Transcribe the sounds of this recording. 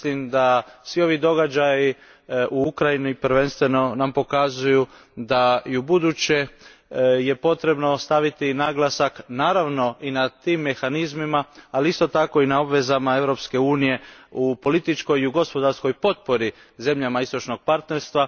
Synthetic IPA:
slimd̪asʋio̞ʋid̪o̞ɡad͡ʑaji | uukɾajinipɾʋe̞nst̪ʋe̞no̞nampo̞kazuju | d̪aiubud̪ut͡ɕe̞ | je̞po̞t̪ɾe̞bno̞st̪aʋit̪inaɡlasaknaːɾaʋno̞inat̪iːmːe̞xanizmimaaliist̪ot̪ako̞inao̞bʋe̞zamae̞ʋɾo̞pske̞uːnije̞upo̞lit̪it͡ʃko̞jiuɡo̞spo̞d̪aɾsko̞jpo̞t̪̚po̞ɾi | ze̞mʎamaist̪o̞t͡ʃno̞ɡ̥̚paɾt̪ne̞ɾst̪ʋa

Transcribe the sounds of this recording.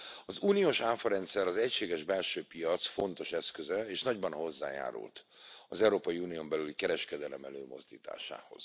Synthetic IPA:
ɒzuːnijoːʃaːfɒɾɛnt̪sɛɾɒzɛcʃeːɡɛʒbɛlʃøːpijɒt̪sfo̞nt̪o̞ʃɛskøzɛeːʃnɒɟbɒnɦo̞zːa̰ːja̰ːɾṵlt̪ | ɒzɛwɾoːpɒjiuːniombɛlylikɛɾɛʃkɛd̪ɛlɛmɛløːmo̞̰zd̪ḭːt̪a̰ːʃa̰ːho̞̰z̥

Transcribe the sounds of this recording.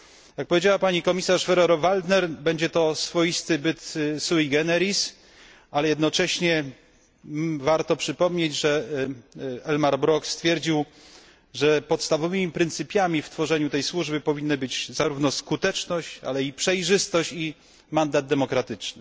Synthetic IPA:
jak̚pɔvʲjed͡ʑawapaɲikɔmʲisaʂfɛɾɔɾɔvald̪nɛɾbɛɲd͡ʑɛt̪ɔsfɔjist̪ɘbɘt̪suiɡɛnɛɾis | alɛjɛd̪nɔt͡ʂɛɕɲɛ | vaɾt̪ɔpʂɘpɔmɲed͡ʑʐɛ | ɛlmaɾbɾɔkst̪fʲjɛɾd͡ʑiw | ʐɛpɔt̪st̪avɔvɘmʲipɾɘnt̪sɘpʲjamʲift̪fɔʐɛɲut̪ɛjswuʐbɘpɔvʲinːɨbɘd͡ʑzaɾuvnɔskut̪ɛt͡ʂnɔɕt͡ɕa̰lɛipʂɛjʐɘst̪ɔɕt͡ɕi | mand̪ad̪̚d̪ɛmɔkɾat̪ɘt͡ʂnɘ

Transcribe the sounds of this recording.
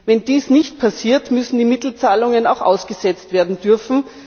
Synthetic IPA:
vɛnd̥iːsnɪçt̚pʰasiːɐtmʏsn̩diːmɪtl̩t͡saːlʊŋənaʊxʔa̰ʊsɡ̥əzɛt͡stv̥eːɐdn̩dʏɐfn̩

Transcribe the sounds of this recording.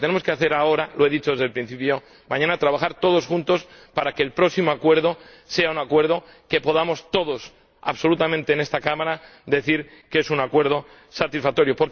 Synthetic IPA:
t̪enemo̞ske̞aθe̞ɾao̞ɾalo̞e̞ðit͡ʃo̞ðe̞zðelpɾinθipjo̞ | mãɲãnat̪ɾaβaxaɾt̪o̞ð̞o̞sxunt̪o̞spaɾake̞ːlpɾo̞ksimoakwe̞ɾð̞o̞ | se̞aunakwe̞ɾð̞o̞ | ke̞po̞ð̞amo̞st̪o̞ðo̞s | a̰βso̞lut̪amẽnt̪eːne̞st̪akamaɾad̪e̞θiɾkesunakwe̞ɾð̞o̞ | sat̪isfak̚t̪o̞ɾjo̞poɾ

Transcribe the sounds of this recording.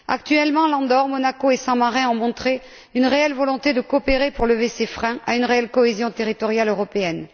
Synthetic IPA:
a̰k̚t̪ɥɛlmɑ̃lɑ̃d̪ɔʁmɔnakoesɑ̃maʁɛ̃ɔ̃mɔ̃t̪χe | ynʁeɛlvɔlɔ̃t̪ed̪əkoɔpeʁepuʁləvesefχɛ̃ʔaynʁeɛlkɔezjɔ̃t̪eʁit̪ɔʁjaløʁɔpeɛn

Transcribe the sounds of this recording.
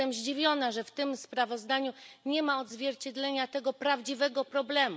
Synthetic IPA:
ɛmʑd͡ʑivʲjɔnaʐɛft̪ɘmspɾavɔzd̪aɲuɲɛmaɔd̪zvʲjɛɾt͡ɕɛd̪lɛɲat̪ɛɡɔpɾavd͡ʑivɛɡɔpɾɔblɛm

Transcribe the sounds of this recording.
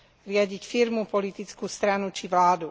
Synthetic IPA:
ɾɪaɟicfiɾmupɔlit̪it͡skuːst̪ɾanut͡ʃiʋlaːd̪u

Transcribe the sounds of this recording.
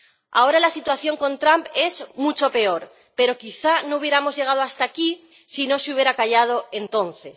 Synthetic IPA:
a̰o̞ɾalasit̪waθjo̞ŋko̞nt̪ɾampe̞zmut͡ʃo̞pe̞o̞ɾ | pe̞ɾo̞kiθano̞uβje̞ɾamo̞zʝe̞ɣ̞að̞oast̪aki | sino̞seuβje̞ɾakaʝað̞o̞e̞nt̪o̞nθe̞

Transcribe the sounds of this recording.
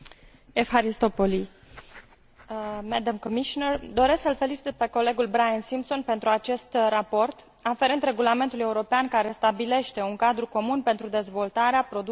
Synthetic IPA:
efaɾist̪o̞poli | med̪amkomiʃonerd̪o̞ɾesksəlfe̞lit͡ʃit̪pe̞ko̞le̞ɡulbɾajensimpso̞npe̞nt̪ɾuat͡ʃe̞st̪rapo̞rt̪ | afe̞ɾent̪ɾe̞ɡulame̞nt̪ulue̞uɾo̞peankaɾe̞st̪abile̞ʃt̪e̞uŋkad̪ɾuko̞munpe̞nt̪ɾud̪e̞zvo̞lt̪aɾeapɾo̞d̪

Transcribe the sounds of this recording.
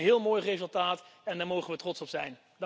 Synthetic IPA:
ɦɪːlˠmoːjrejzəlˠtaːtɛndaːɹmowχənʋətrɔtsɔpsɛjn | d

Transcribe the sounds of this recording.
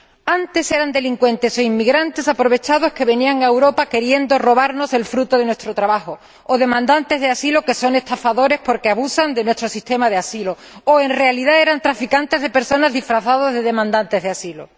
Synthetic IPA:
ant̪e̞se̞ɾand̪e̞liŋkwe̞nt̪e̞soimːiɣɾant̪e̞sapɾo̞β̞e̞t͡ʃað̞o̞ske̞βe̞niaŋaewɾo̞pake̞ɾje̞nd̪o̞ro̞β̞aɾno̞se̞lfɾut̪oðe̞nwe̞st̪ɾot̪ɾaβaxo̞ | oðe̞mãnd̪ant̪e̞zðeasilo̞ke̞so̞ŋe̞st̪afaðo̞ɾe̞spo̞ɾkeaβusand̪e̞nwe̞st̪ɾo̞sist̪e̞maðeasilo | oe̞nrealiðae̞ɾant̪ɾafikant̪e̞zðepe̞ɾso̞nazðifɾaθað̞o̞zðe̞ðe̞mãnd̪ant̪e̞zð̞easilo̰

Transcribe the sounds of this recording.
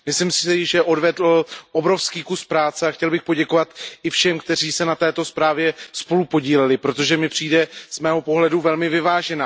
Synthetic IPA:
mɪslɪmsɪʒɛʔo̞dvɛdl̩ʔo̞bɾo̞fskiːkuspɾaːt͡sɛaxcɛlbɪxpo̞ɟɛkovat̪ɪfʃɛmk̚t̪ɛriːsɛnat̪ɛːt̪o̞spɾaːvjɛspo̞lupo̞ɟiːlɛlɪpɾo̞t̪o̞ʒɛmɪpr̝̥iːdɛz̥mɛːɦo̞po̞ɦlɛduvɛlmɪvɪvaːʒɛnaː

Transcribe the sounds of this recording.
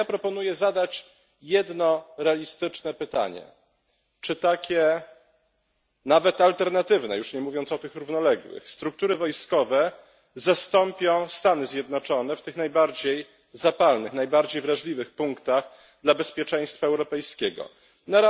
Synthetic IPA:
apɾɔpɔnujɛzad̪at͡ɕ | jɛd̪nɔɾɛalʲist̪ɘt͡ʂnɛpɘt̪a̰ɲɛ̰ | t͡ʂɘt̪akʲʰɛ | navɛt̪alt̪ɛɾnat̪ɘvnɛ̰juʂɲɛmuvʲjɔnt̪sɔt̪ɘxɾuvnɔlɛɡwɘ̰xst̪ɾuk̚t̪uɾɘvɔjskɔvɛ | zast̪ɔmpʲjɔ̃w̃st̪anɘzʲjɛd̪nɔt͡ʂɔnɛft̪ɘxnajbaɾd͡ʑej | zapalnɘxnajbaɾd͡ʑejvɾaʐlʲivɘxpuŋkt̪aɣ | d̪labɛspʲjɛt͡ʂɛ̃j̃st̪faɛwɾɔpɛjskʲɛɡɔ̰ | naɾa

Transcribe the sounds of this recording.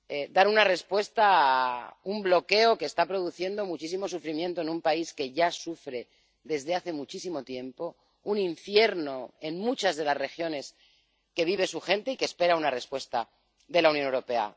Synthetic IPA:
ed̪aɾunare̞spwe̞st̪aːumblo̞ke̞o̞ke̞ːst̪apɾo̞ð̞uθje̞nd̪o̞mut͡ʃis̬imo̞s̬ufɾimjent̪oe̞nũmpaiske̞ʝasufɾe̞ | ðe̞zðe̞aθe̞mut͡ʃisimo̞t̪je̞mpo̞ | unĩɱfje̞ɾno̞e̞nmut͡ʃazðe̞lazre̞xjo̞ne̞s | ke̞βiβ̞e̞suxẽ̞nt̪e̞ikespe̞ɾaunare̞spwe̞st̪a | ðe̞launjonewɾo̞pe̞a̰

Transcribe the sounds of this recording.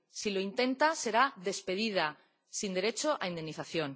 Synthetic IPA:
silo̞int̪e̞nt̪ase̞ɾaðe̞spe̞ðið̞a | sind̪e̞ɾe̞t͡ʃoʔaind̪e̞nːiθaθjo̞n

